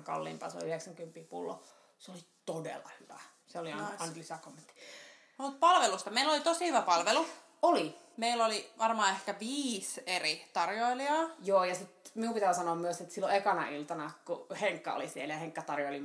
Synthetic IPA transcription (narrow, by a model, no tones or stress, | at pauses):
ŋkɑ̰lːḭːmpɑ̰nso̰liyheksæŋkympːˑiːpṵlːo̰ | seoli | t̪odḛlːɑ̰hyʋæ̰ | seoliɑnlysækomːent̪ːi̥ | mut̪̚pɑlʋelust̪ɑmeilːolit̪osihyʋæpɑlʋelu | olimeilːoliʋɑrmɑːehkæʋiːserit̪ɑrjoiliɑːjoːjɑsit̪miumpit̪æːsɑnoːmmyøset̪silːoekɑnɑ̰ilt̪ɑnɑkuheŋkːæ̰o̰lisieljɑheŋkːæt̪ɑrjoili